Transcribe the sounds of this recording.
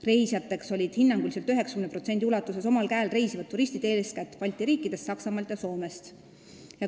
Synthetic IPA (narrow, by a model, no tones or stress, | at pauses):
re̞jsjɑt̪ːˑe̞kso̞lʲid̪̥hinːɑŋɡuliselt̪yɦe̞ksɑ̥kymnpro̞t̪se̞nd̪iulɑt̪ːˑuse̞so̞mɑlkæːlre̞jsivɑd̪ːuɾisʲt̪id̪e̞ːlskæt̪ːˑvɑlʲt̪ːˑiɾiːkːˑid̪̥e̞st̪sɑksɑmɑlt̪jɑso̞ːme̞st̪ | jɑ